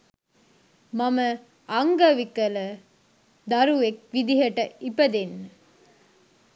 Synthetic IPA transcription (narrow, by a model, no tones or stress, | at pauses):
mɐmɐ | ɐŋɡɐʋikɐlə | d̪ɐɾuek̚ʋid̪iɦɐʈəipəd̪enː